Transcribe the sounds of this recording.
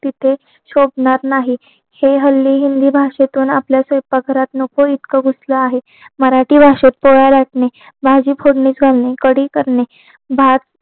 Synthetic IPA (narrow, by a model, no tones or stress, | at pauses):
t̪it̪ʰe | ɕobɳaɾnaɦi | heɦəlːiːɦind̪iːbʱaʂet̪uːnapljasəjpaɡʱəɾat̪nokoit̪kəɡusləaɦe | məɾaʈiːbʱaʂet̪̚poɭalaʈɳe | bʱad͡ʑiːpʰoɽniːt͡sɡʱalnekəɽiːkəɾne | bʱat͡s